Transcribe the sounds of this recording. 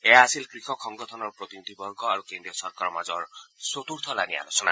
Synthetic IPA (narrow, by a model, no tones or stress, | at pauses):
eaːsilkɾikʰɔkʰɔŋɡɔt̪ʰɔnɔɾpɾot̪inid̪ʱibɔɾɡɔaɾukend̪ɾiɔsɔɾkaɾɔmad͡ʒɔɾsot̪uɾt̪ʰɔlania̰ɾusɔna̰